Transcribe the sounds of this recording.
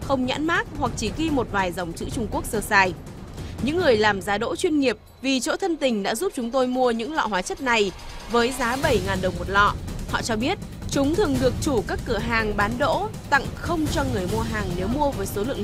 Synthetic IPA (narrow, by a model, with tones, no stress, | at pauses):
xə˧wŋ͡mɲa̰ː˧˥nmaː˦˥k̚hwa˨˩k̚t͡ɕi˧˩ɣi˧mo˨˩t̚vaː˨˩jza˨˩wŋ͡mt͡ɕɨ̰˧˥t͡ɕʊ˧ŋ͡mku˦˥ək̚səː˧˩saː˧˩j | ɲɨ̰˧˥ŋːɨ˨˩əjlaː˨˩mzaː˨˦ɗo̰˧˥t͡ɕwi˧ənŋi˨˩əp̚vi˨˩t͡ɕo̰˧˥t̪ʰə˧nt̪ï˨˩ŋ̟ɗa̰ː˧˥zu˦˥p̚t͡ɕʊ˨˦ŋ͡mt̪o˧jmu˧əɲɨ̰˧˥ŋlɔ̰˧˨ɦwaː˨˦t͡ɕə˦˥t̚na˨˩j | vəː˨˦jzaː˨˦ɓə˧˩jŋaː˨˩nɗə˨˩wŋ͡mmo˨˩t̚lɔ̰˧˨hɔ̰˧˨t͡ɕɔ˧ɓi˦˥ət̚ | t͡ɕʊ˨˦ŋ͡mt̪ʰɨ˨˩əŋɗɨ˨˩ək̚t͡ɕu˧˩kaː˦˥kːɨ˧˩əɦaː˨˩ŋɓaː˨˦nɗo̰˧˥t̪a̰˧˨ŋxə˧wŋ͡mt͡ɕɔ˧ŋɨ˨˩əjmu˧əɦaː˨˩ŋne˨˦wmu˧əvəː˨˦jso˨˦lɨ̰˧˨əŋ